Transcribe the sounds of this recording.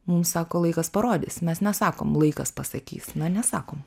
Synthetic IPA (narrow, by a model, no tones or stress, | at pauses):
mumsɑːkoːlˠɐɪkɐspɐɾoːd̪ʲɪ̰ːsmʲɛsnʲɛsɑːko̰ːmlˠɐɪkɐspɐsɐkʲḭːsnɐnʲɛsɑːkoːm